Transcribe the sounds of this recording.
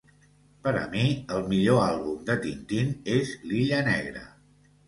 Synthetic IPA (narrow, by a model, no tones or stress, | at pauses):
pəɾə̰miəlˠmiʎoalˠβumd̪ət̪int̪inezliʎənɛɣ̞ɾə̰